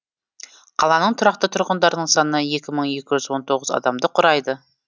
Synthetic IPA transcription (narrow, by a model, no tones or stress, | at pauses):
qʰɑlˠɑnəɴt̪ʰʊɾɑq̚t̪ət̪ʰʊɾʁənd̪ɑɾnəɴsɑnəɑje̞kʲɪməɴje̞kʲɪʒʏzwo̞nt̪ʰo̞ʁəzɑ̰d̪ɑmd̪əqʰʊɾɑjd̪ə